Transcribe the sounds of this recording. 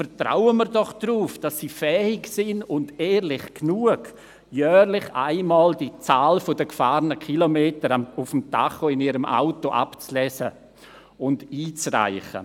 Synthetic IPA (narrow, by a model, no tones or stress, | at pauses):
fəɾtra̰wənməɾdɔχd̥ruːfd̥asːiːfɛːɪksɪnʊndɛːɾlɪχknuəɡ | jœːɾlɪχa̰ɪmɑːldit͡saːlfodəkfaːɾnəkʰilomeːtəɾamʊfəmtaχoɪniːɾəmʔa̰ʊtoʔa̰pt͡slɛːsə | ʊndiːt͡sra̰ɪχə̰